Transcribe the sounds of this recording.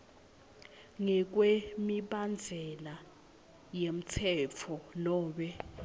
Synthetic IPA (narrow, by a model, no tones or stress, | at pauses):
ŋɛk̬wemiɓand͡zʱɛla | jem̩tʰɛt͡fʰɔlɔːɓɛ